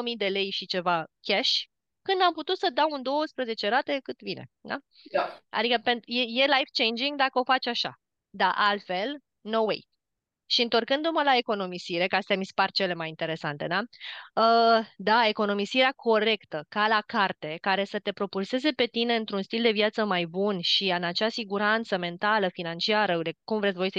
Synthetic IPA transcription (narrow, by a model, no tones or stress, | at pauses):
mid̪e̞le̞jʃit͡ʃe̞vakʲaʃ | kɨnd̪amput̪ut̪səd̪awund̪o̞wəspɾəze̞t͡ʃe̞ɾat̪e̞kɨt̪bine̞̰d̪a̰ | a̰d̪ikəpenjeje̞lajvt͡ʃe̞jnd͡ʒiŋɡd̪akəo̞fat͡ʃʲaʃa̰ | d̪aʔalt̪fe̞l | no̞wḛj | ʃiɨnt̪o̞rkɨnd̪uməlae̞ko̞no̞misiɾe̞kast̪ejamispart͡ʃe̞le̞majint̪e̞ɾe̞sant̪e̞d̪aəd̪ae̞ko̞no̞misiɾeakʰo̞ɾe̞kt̪əkalakart̪e̞kaɾe̞sət̪e̞pɾo̞pulse̞ze̞pe̞t̪ine̞ɨnt̪ɾunst̪ild̪e̞vjat̪səmajbunʃiɨnat͡ʃeasiɡuɾant̪səme̞nt̪aləfinant͡ʃiaɾəd̪ekumvɾet̪svo̞jsə